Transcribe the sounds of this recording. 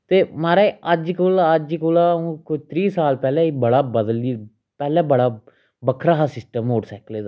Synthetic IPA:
t̪eːmaːɾeːəd͡ʒkʊlaəd͡ʒkʊlaːũːkʊd͡ʒt̪ɾiːsaːlpɛːlɛ̃ːibəɽaːbəd̪əliː | pɛːlɛ̃ːbəɽaː | bəkʰɾaːɦaːsɪsʈəmɦoːɽsɛːkleːd̪aː

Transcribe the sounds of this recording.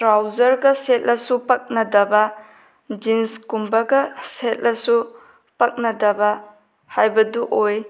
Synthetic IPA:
tɾawzɐɾɡɐset̚lɐsupɐk̚nɐdɐbɐ | d͡ʒinskumbɐɡɐset̚lɐsu | pɐk̚nɐdɐbɐ | hajbɐduʔoj

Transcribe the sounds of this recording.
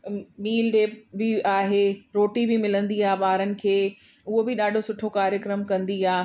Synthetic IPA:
miːlɗeːpbɪaːɦeːɾoːʈibɪmɪlə̃nd̪iaːɓaːɾənɪ̆kʰeː | ʊɦobɪɗaːɖʱosʊʈʰokaːɾjəkɾəmkɐ̃nd̪iaː

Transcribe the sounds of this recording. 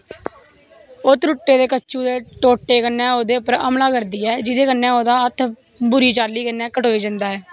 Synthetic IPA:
ʊt̪ɾʊʈːeːd̪eːkət͡ʃːũːd̪eːʈoːʈːeːkənːɛ̃ːoːd̪eːʊpəɾə̰mlaːkəɾd̪iːɛːd͡ʒɪd̪eːkənːɛ̃ːoːd̪aːət̪ʰ | bʊɾiːt͡ʃaːliːkənːɛ̃ːkəʈoːiːd͡ʒənd̪aːɛː

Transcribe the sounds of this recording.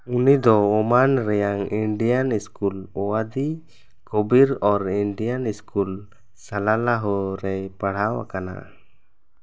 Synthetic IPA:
unid̪ɔɔmanɾɛjaŋiɳɖijaniskulɔwad̪i | kɔbiɾɔɾiɳɖianiskul | salalaɦɔɾɛjpaɽ̤awa̰kana̰ʔ

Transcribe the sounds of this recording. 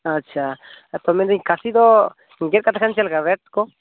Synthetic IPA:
at͡ʃʰat̪omẽnd̪eɲkasid̪o | ŋɡeɾkat̪akant͡ʃalɡaɾet̪ko

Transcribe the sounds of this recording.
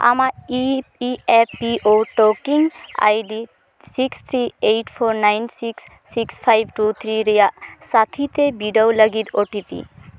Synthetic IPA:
a̰maiieppiʔoʈokiŋɡa̰jɖi | sikst̪ʰɾiejʈpʰoɾnajnsiksːikspʰajbʈut̪ʰɾiɾijasat̪ʰit̪ebiɖəwləɡid̪oʈipḭ

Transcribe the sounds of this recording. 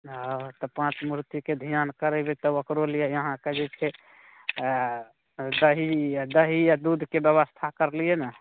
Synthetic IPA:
at̪ɔpãt͡ʃmuɾt̪iked̪ʱijankəɾɛbet̪ɔokɾolijejəɦãked͡ʒet͡ʃʰe | d̪əɦid̪əɦijad̪ud̪ʱkebjəβəst̪ʰakəɾlijena

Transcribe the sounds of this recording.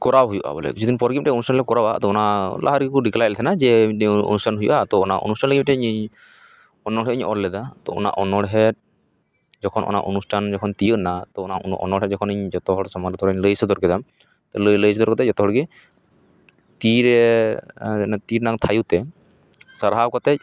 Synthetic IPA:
kɔɾaɦujuʔa̰bɔlɛ̰kit͡ʃʰud̪inpɔɾɡip̚ʈɛonusʈʰanlɛkɔɾawʔa̰t̪ɔɔnalʔa̰ɦaɾɡikuɖiklajlt̪ʰɛnad͡ʒɛo̰nusʈʰanɦujṵʔat̪ɔːnaʔo̰nusʈʰanləɡip̚ʈɛɲɲ | ɔnːɔɽɦɛɲɔ̰ɾlɛd̪at̪ɔ̰ɔ̰na̰ʔɔnːɔɽɦɛt̪̚ | d͡ʒɔkʰɔnʔɔ̰na̰ʔonusʈʰand͡ʒɔkʰɔnt̪ijəʔnat̪ɔɔnaɔ̰nɔɽɦɛd͡ʒɔkʰɔnəɲd͡ʒɔt̪ɔɦɔɽsɔmaɾɔt̪ɔɾɔɲləjsɔd̪ɔɾkɛd̪am | t̪ɔlələjsɔd̪ɔɾkɔt̪ɛd͡ʒɔt̪ɔɦɔɽɡi | t̪iɾɛ | t̪iɾnaŋt̪ʰajut̪ɛ | səɾɦakɔt̪ɛc̚

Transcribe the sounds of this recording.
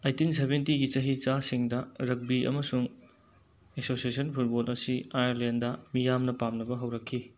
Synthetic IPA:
ejtinsebentiɡit͡ʃɐɦit͡ʃasiŋdɐɾɐk̚biʔɐ̰mɐsuŋ | esosiesɐnpʰut̚bolɐsiajɐɾlendɐmijamnɐpamnɐbɐɦɐwɾɐkʰːi

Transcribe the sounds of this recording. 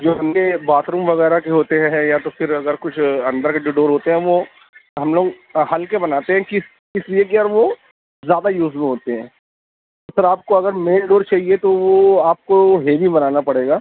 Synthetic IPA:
d͡ʒoːɦɐmdebaːt̪ɾuːmʋɐɣɛːɾakeɦoːt̪eɦɛ̃ɦɛ̃jat̪ofɪɾɐɡəɾkʊt͡ʃʰɐ̃nd̪əɾkeɖeɖoːɾɦoːt̪eɦɛ̃ʋo | ɦɐ̃mloːɡ | ɦɐlkebɐnaːt̪eɦɛ̃kis | kɪsliekeaːɾʋo | zjaːd̪ajuːzmĩɦoːt̪eɦɛ̃ː | osɪɾaːp̚koɐɡəɾmẽːɳɖoːɾt͡ʃaːɦiet̪oʋoaːp̚koɦeːbibɐnaːnapɐɽeːɡaː

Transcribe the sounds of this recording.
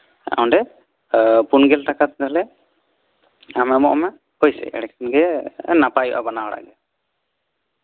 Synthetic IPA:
ʔaw̃nɖɛ | punɡɛlʈakat̪̚d̪alɛ | amɛmɔʔɔmɛ | hojsɛ̰ʔɛ̰ɽɛkɛnɡɛnapajṵʔa̰banawɔɽa̰ɡɛ

